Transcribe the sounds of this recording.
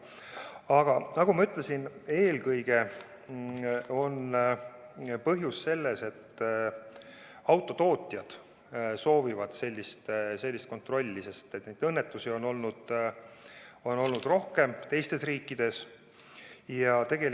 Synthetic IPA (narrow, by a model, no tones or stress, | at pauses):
ɑɡ̥ɑnɑɡumɑyt̪ˑle̞sine̞ːlkɤjɡ̥e̞ | o̞n | pɤɦjusːe̞lːe̞se̞t̪ː | ɑwt̪ːˑo̞t̪o̞ːt̪ʲˑjɑd̪̥ | so̞ːvivɑd̪̥se̞lʲːist̪selʲːist̪̚ko̞nt̪ˑro̞lʲːise̞st̪et̪nejd̥̪ɤnːet̪ːˑusio̞no̞lnud̪̥ | o̞no̞lnud̪̥ro̞hke̞mt̪e̞jst̪e̞sriːkːˑid̪̥e̞s | jɑt̪e̞ɡ̥e̞l